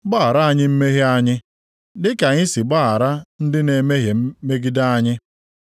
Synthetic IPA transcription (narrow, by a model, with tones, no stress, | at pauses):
ɡ͡ba˦a˨ɾa˦a˦˨ɲɪ˦m̩˦me˦ɦe˦a˦ɲɪ˦ | dɪ˦ka˨ɲɪ˦si˨ɡ͡ba˦a˨ɾa˦n̩˦dɪ˦ne˨me˦ɦe˨˦me˦ɡi˦da˦a˦ɲɪ˦